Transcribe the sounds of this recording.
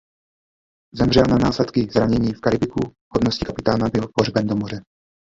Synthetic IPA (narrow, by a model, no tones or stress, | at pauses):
zɛmrɛlnanaːslɛt̪kɪzɾaɲɛɲiːfkaɾɪbɪkuhod̪noscɪkapɪt̪aːnabɪlporbɛmd̪omor̝ɛ